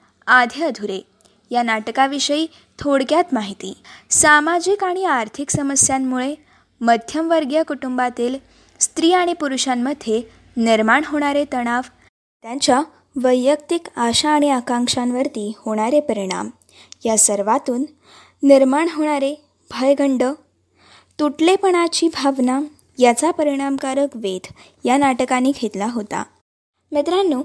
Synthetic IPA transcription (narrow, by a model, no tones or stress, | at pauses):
ad̪ʱjəd̪ʱuɾe | janaʈkaʋiʂəiː | t̪ʰoɽkjat̪maɦit̪iːsamad͡ʑikaɽ̃iaɾt̪ʰiksəməsjamːuɭe | məd̪ʱjəmʋəɾɡjəkuʈumbat̪iːl | st̪ɾiːaɽ̃ipuɾuɕamːəd̪ʱje | niɾmaɳɦoɽ̃aɾet̪əɽ̃aʋ | t̪jãɲt͡ɕja | ʋəjːəkt̪ikaɕaːɽ̃iakãŋkʂãnʋəɾt̪iːhoɽ̃aɾepəɾiɽ̃a̰m | jasəɾʋat̪uːnː | iɾmaɳɦoɽ̃aɾe | bʱəjɡʱəɳɖə | t̪uʈlepəɽ̃at͡ɕiːbʱaʋna | jat͡sapəɾiɽ̃amkaɾəkʋed̪ʱ | janaʈəkanːiːkʰet̪laɦot̪a̰ | met̪ɾanːu